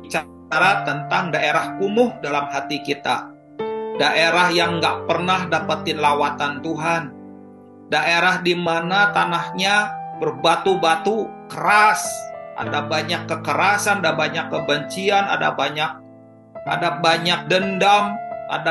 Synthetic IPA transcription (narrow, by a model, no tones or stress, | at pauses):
t͡ʃa | ɾat̪ənt̪aŋdaʔeɾahkumʊhdalamɦat̪ikit̪a̰ | daʔeɾahjaŋɡaʔpərnahdapat̪ɪnlawat̪ant̪uɦan | daʔeɾahdimanat̪anahɲabərbat̪ubat̪ukəɾasʔa̰dabaɲakːəkəɾasanadabaɲakːəbəɲt͡ʃiana̰da̰baɲak̚ | ʔa̰dabaɲak̚dəndamʔa̰da